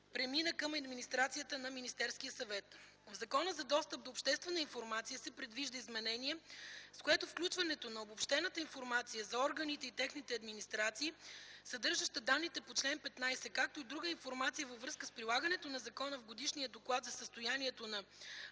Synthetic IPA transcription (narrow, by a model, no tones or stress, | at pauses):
pɾɛminəkɐmɐd̪minist̪ɾat̪sijət̪ənɐminist̪ɛɾskiəsɐvɛt̪ | vzɐkɔnəzɐd̪ɔst̪əp̚d̪oːpʃt̪ɛst̪vɛnəinfoɾmat̪sijəsɛpɾɛd̪viʒd̪əizmɛnɛniɛskoɛt̪ofklʲut͡ʃvɐnɛt̪onɐobopʃt̪ɛnət̪əinfoɾmat̪sijəzɐɔɾɡɐnit̪ɛit̪ɛxnit̪ɛɐd̪minist̪ɾat̪siːsɐd̪ɤɾʒəʃt̪əd̪anːit̪ɛpot͡ʃlɛnpɛt̪najsɛkak̚t̪oid̪ɾuɡəinfoɾmat̪sijəvəvɾɤskəspɾilˠaɡɐnɛt̪onɐzɐkɔnəvɡod̪iʃniəd̪oklˠad̪zɐsəst̪ojaniɛt̪onɐ